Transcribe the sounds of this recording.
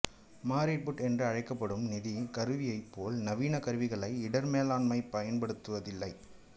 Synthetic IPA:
maːɾɪʈ̚bʊʈɛndrɯɐɻɐɪkːɐpːɐɽɯmnɪðikɐɾɯʋɪjɐɪpːoːlnɐʋiːnɐkɐɾɯʋɪɣɐɭɐɪɪɽɐɾmeːlaːnmɐɪpːɐjɐnpɐɽɯt̪ːɯʋɐðɪlːɐɪ

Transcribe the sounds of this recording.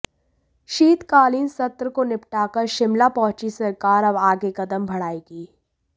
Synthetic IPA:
ʃiːt̪kaːliːnsɐt̪ɾəkonɪpʈaːkɐɾʃɪmlapɔ̃ːt͡ʃisɐɾkaːɾɐbaːɡekɐd̪əmbʱɐɽaːiɡiː

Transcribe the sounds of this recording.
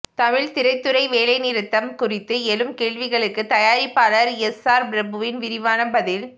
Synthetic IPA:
t̪ɐmɪɭt̪ɪɾɐɪt̪ːɯɾɐɪʋeːlɐɪnɪɾɯt̪ːɐmkʊrɪt̪ːɯɛlɯmkeːɭʋɪɣɐɭɯkːɯt̪ɐjaːɾɪpːaːlɐɾɛsaːɾbɾɐbɯʋɪnʋɪɾɪʋaːnɐbɐðɪl

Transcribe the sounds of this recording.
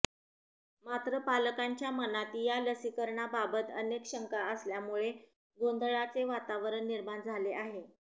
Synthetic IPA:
mat̪ɾəpaləkaɲt͡ɕjamənat̪iːjaləsikəɾɳababət̪ə̰nekɕəŋkaəsljamuɭe | ɡond̪ʱɭat͡seʋat̪aʋəɾəɳːiɾmand͡zʱaleʔaɦe

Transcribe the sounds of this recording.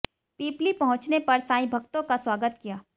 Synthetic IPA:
piːplipɐɦʊ̃t͡ʃnepɐɾsãːĩbʱɐkt̪õkaswaːɡət̪kijaː

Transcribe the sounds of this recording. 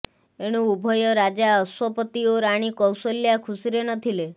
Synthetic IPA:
eɽ̃uubʱɔjɔɾad͡ʒaɔswɔpət̪ioɾaɽ̃ikɔwsoljakʰusiɾenɔt̪ʰile

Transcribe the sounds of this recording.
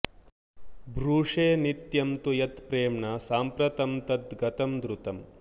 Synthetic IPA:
bɾuːʂeːnit̪jɐmt̪ujɐt̪pɾeːmɳɐsaːmpɾɐt̪ɐmt̪ɐt̪ɡɐt̪ɐmd̪ɾut̪ɐm

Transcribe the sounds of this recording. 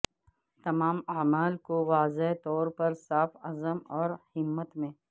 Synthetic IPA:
t̪ɐmaːmaːmaːlkoʋaːzet̪ɔːɾpɐɾsaːfɐzəmɔːɾhɪmːət̪mẽː

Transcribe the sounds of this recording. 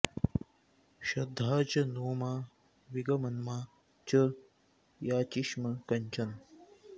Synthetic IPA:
ʃɐd̪ʱːaːt͡ʃɐnoːmaː | ʋiɡɐmɐnmaː | t͡ʃə | jaːt͡ʃiʃmɐkɐɲt͡ʃɐn

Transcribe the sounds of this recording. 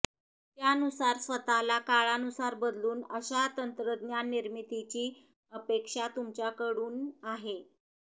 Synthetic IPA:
t̪janusaɾsʋət̪alakaɭanusaɾbəd̪luːnəɕat̪ənt̪ɾəd̪njanːiɾmit̪it͡ɕiː | əpekʂat̪umt͡ɕakəɽuːnaɦe

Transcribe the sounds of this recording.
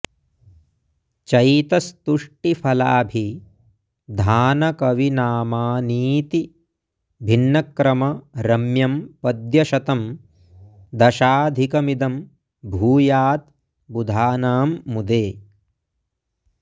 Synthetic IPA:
t͡ʃɐjt̪ɐst̪uʂʈipʰɐla̰ːbʱi | d̪ʱaːnɐkɐʋinaːmaːniːt̪i | bʱinːɐkɾɐmɐɾɐmjɐmpɐd̪jɐʃɐt̪ɐm | d̪ɐʃaːd̪ʱikɐmid̪ɐm | bʱuːjaːt̪̚ | bud̪ʱaːnaːmːud̪eː

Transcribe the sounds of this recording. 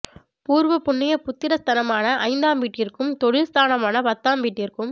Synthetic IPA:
puːɾʋɐpʊnːɪjɐpʊt̪ːɪɾɐst̪ʰɐnɐmaːnɐʔɐɪnd̪aːmʋiːʈːɪrkɯmt̪ɔɽɪlst̪ʰaːnɐmaːnɐpɐt̪ːaːmʋiːʈːɪrkɯm

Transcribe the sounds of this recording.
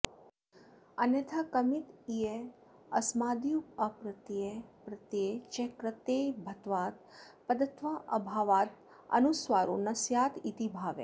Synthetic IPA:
ənet̪ʰakəmit̪ije | ɐsmaːd̪ijukəpɾət̪iepɾət̪jet͡ʃekɾət̪ejbʱət̪ʋaːt̪̚pəd̪ət̪ʋaʔəbʱaːʋaːt̪̚ | ə̰nusʋaɾunɐsjaːt̪it̪ibʱaːʋḛ

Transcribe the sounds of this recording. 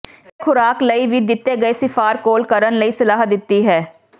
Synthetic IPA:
kʰʊɾaːkləiːʋiːd̪ɪt̪ːeːɡəeːsɪfʰaːɾkoːlkəɾənləiːsɪlaːɦd̪ɪt̪ːiːɦɛː

